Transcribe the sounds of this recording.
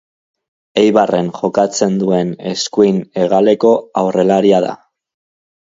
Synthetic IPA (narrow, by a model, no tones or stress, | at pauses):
e̞jβare̞ŋʝo̞kat͡se̞nd̪ue̞ne̞skuijne̞ɣ̞ale̞ko̞awre̞laɾiaða̰